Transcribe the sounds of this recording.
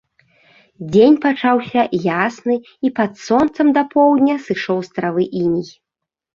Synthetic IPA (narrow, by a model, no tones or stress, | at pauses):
d͡zʲenʲpat͡ʂawsʲɐjasnɨ | ipɐt̪sɔnt̪sɐmd̪ɐpʰɔwd̪ʲnʲɐsɨʂɔwst̪ɾavɨʔinʲij